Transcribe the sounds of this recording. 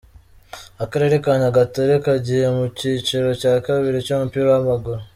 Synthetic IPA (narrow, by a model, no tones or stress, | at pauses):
akaɾe̞ɾekanaɡatoɾekaɟihemuciːt͡ʃeɾo̞caːkaβiɾecomupiɾoamaɡoɾo